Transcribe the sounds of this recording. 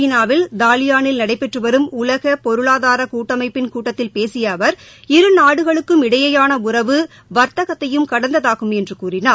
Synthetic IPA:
iːnaːʋɪld̪aːlɪjaːnɪlnɐɽɐɪpːɛʈrɯʋɐɾɯmʊlɐɣɐpɔɾɯɭaːðaːɾɐkuːʈːɐmɐɪpːɪnkuːʈːɐt̪ːɪlpeːsɪjaːʋɐɾɪɾɯnaːɽɯɣɐɭɯkːɯmɪɽɐjɐjaːnɐʊrɐʋɯ | ʋɐɾt̪ɐɣɐt̪ːɐjɯmkɐɽɐnd̪ɐðaːɣɯmɛndrɯkuːrɪnaː

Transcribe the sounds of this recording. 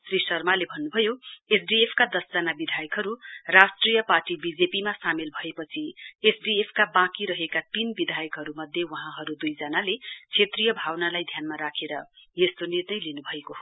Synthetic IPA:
srisʌrmalebʱʌnːubʱʌjoesɖiepʰkad̪ʌsd͡zʌnabid̪ʱajʌkɦʌɾurasʈrijʌparʈibid͡zepimasamilbʱʌepʌt͡sʰiesɖiepʰkabãkiɾʌɦekat̪inbid̪ʱajʌkɦʌɾumʌd̪ʱjewʌɦãɦʌɾud̪ujd͡zʌnalet͡sʰet̪rijʌbʱawnalajd̪ʱjanmaɾakʰeɾʌjest̪onirnʌjlinubʱʌekoɦ

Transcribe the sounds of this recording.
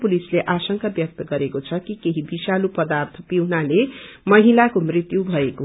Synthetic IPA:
pulisleʔasʌŋkabjʌk̚t̪ʌɡʌɾekot͡sʰʌkikeɦibisalupʌd̪art̪ʰʌpiwnalemʌɦilakomrit̪jubʱʌeko

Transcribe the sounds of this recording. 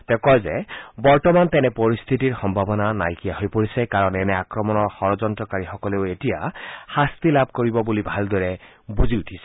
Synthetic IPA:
tɛkɔjzɛbɔɹtɔmantɛnɛpoɹist̪ʰitiɹxɔmbʱabɔnanajkijahojpoɹisɛkaɹɔnɛnɛakɹɔmɔnɔɹxɔɹɔzɔntɹɔkaɹixɔkɔleʊetijaxast̪ilab̚ʱkoɹibɔbulibʱaldɔɹɛ | buziutʰisɛ̥

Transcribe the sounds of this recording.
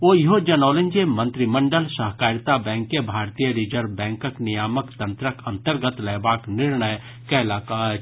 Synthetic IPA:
oːjɦod͡ʒɐnoːləɲd͡ʒemɐ̃nt̪ɾimɐ̃ɳɖəlsɐɦkaːɾjət̪abɛ̃ːŋkːebʱaːɾt̪ijəɾid͡ʒəɾbɛ̃ːŋkəknɪjaːməkt̪ɐ̃nt̪ɾəkɐ̃nt̪əɾɡət̪leːbaːknɪɾɳəj | kɛːlaka

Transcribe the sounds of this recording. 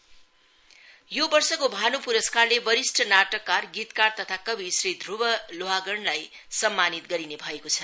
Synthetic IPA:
jobʌrsʌkobʱanupuɾʌskarlebʌɾisʈʰʌnaʈʌkːarɡit̪kart̪ʌt̪ʰakʌbʱisrid̪ʱrubʌloɦaɡʌɳlaj | sʌmːanit̪ɡʌɾinebʱʌekot͡sʰʌ

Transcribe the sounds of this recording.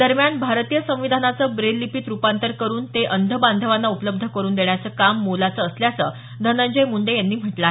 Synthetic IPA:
d̪əɾmjanbʱaɾt̪ijəsə̃w̃ʋid̪ʱanat͡səbɾelːipit̪ɾupant̪əɾkəɾuːnt̪eʔənd̪ʱəband̪ʱəʋanːaupələb̚d̪ʱəkəɾuːnd̪eɳjat͡səːkamːolat͡səːsljat͡sə | d̪ʱənə̃ɲd͡ʑəjmuɳɖejanːiːm̤əʈla

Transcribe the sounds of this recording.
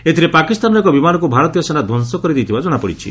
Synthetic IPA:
et̪ʰiɾepakist̪anɔekɔbimanɔkubʱaɾɔt̪ijɔsenad̪ʱɔnsɔkɔɾid̪it̪ʰibad͡ʒɔɽ̃apɔɽit͡ʃʰḭ

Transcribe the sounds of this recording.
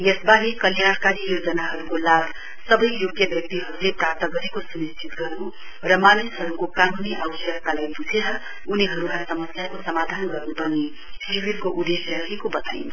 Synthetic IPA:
jʌsbaɾikʌljaɽ̃kaɾijod͡zʌnaɦʌɾukolabʱ | sʌbʌjjoɡjʌbjʌk̚t̪iɦʌɾuleprap̚t̪ʌɡʌɾekosumist͡ʃʰit̪ɡʌrnu | rʌmanisɦʌɾukokanuniʔawsjʌk̚t̪alajbud͡zʱeɾʌ | uniɦʌɾukasʌmʌsjakosʌmad̪ʱanɡʌrnupʌne | siwirkoʔud̪esjʌʌekobʌt̪a̰inʰ

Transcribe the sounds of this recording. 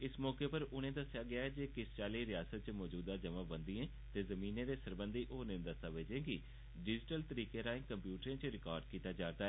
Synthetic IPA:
ɪsmɔːkeːpəɾʊñẽːd̪əsjaːɡɪaːɦɛːd͡ʒeːkɪst͡ʃaːliːɾɪjaːsət̪̚t͡ʃmɔːd͡ʒuːd̪ãːd͡ʒəməbənd̪iẽː | t̪eːzəmiːnẽːd̪eːsəɾbənd̪iːʔoːnɪ̃ːd̪əsaːʋeːd͡ʒẽːɡiː | ɖɪd͡ʒɪʈəlt̪əɾiːkeːɾaːɪ̃ŋkəmpjuːʈəɾẽːt͡ʃɾɪkaːɾɖkiːt̪aːd͡ʒaːɾd̪aːɦɛ

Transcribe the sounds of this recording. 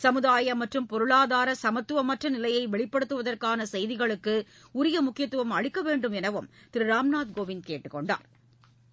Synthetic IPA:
sɐmɯðaːjɐmɐʈrɯmpɔɾɯɭaːðaːɾɐsɐmɐt̪ːɯʋɐmɐʈrɐnɪlɐjɐɪʋɛɭɪpːɐɽɯt̪ːɯʋɐðɐrkaːnɐsɛjðɪɣɐɭɯkːɯ | ʊɾɪjɐmʊkːɪjɐt̪ːɯʋɐmɐɻɪkːɐʋeːɳɖɯmɛnɐʋɯmt̪ɪɾɯɾaːmnaːt̪ɡoːʋɪnkeːʈːɯkːɔɳɖa̰ːɾ

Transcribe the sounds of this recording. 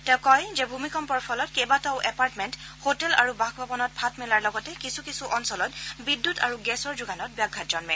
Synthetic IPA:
tɛ̃ʊkɔjzɛbʱumikɔmpɔɹpʰɔlɔtkebataʊʔɛpaɹtmɛnthotɛla̰ɹubaxbʱabɔnɔt̚pʰatmɛlaɹlɔɡɔtɛkisukisuʔɔnsɔlɔtbidːutaɹuɡɛsɔɹzuɡanɔt̚bjaɡʱːatd͡ʒɔnmɛ

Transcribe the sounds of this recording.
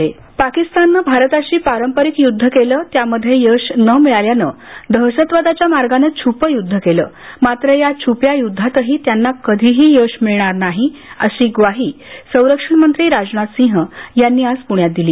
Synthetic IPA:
e | pakist̪anːəbʱaɾət̪aɕiːpaɾəmpəɾikjud̪ʱːəkeləːt̪jaməd̪ʱːjejəɕnəmiɭaljanə | d̪ʱəɾɕət̪ʋəd̪at͡ɕjamaɾɡanet͡ɕʰupəjud̪ʱːəkeləː | mat̪ɾəjat͡ɕʰupjajud̪ʱːat̪əɦiːt̪janːakəd̪ʱiɦiːjəɕmiɭɳ̃aɾnaɦiəɕiːɡʋaɦiːsə̃w̃ɾəkʂəɳmənt̪ɾiːɾad͡znat̪sĩɦəjanːiːaspuɳjat̪̚d̪iliː

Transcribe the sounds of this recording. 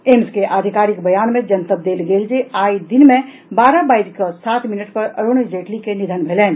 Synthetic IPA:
emskeʔad̪ʱikaɾikbəjanmẽd͡ʒənt̪əb̚d̪elɡeld͡ʒeajd̪inmẽ | baɾabaidkəsat̪minəʈpəɾəɾoñed͡ʒeʈlikenid̪ʱənbʱelɛn

